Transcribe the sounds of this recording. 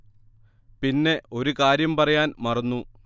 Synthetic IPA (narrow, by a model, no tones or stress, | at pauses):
pinːe̞o̞ɾukaːɾjɐmpɐrɐjaːnmɐrɐnːu